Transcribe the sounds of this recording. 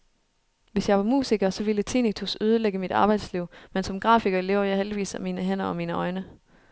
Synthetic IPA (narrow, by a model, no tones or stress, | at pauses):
ʋe̝sjɑ̈ɪʋɑ̈mṵːsiɡ̥ɐsɒ̽ʋilət͡sʰḭnit͡sʰusøð̞ˠəleɡ̥əmid̥ɑ̈ːb̥ɑ̈ɪd̥sliʊ̰mensɒ̽mɡ̥ʁɑ̰̈ːfiɡ̥ɐele̝ʊ̰ɐjɑ̈ɪheld̥iʋḭːsæmiːnəɦen̰ɐɒ̽miːnəɒ̽ɪnə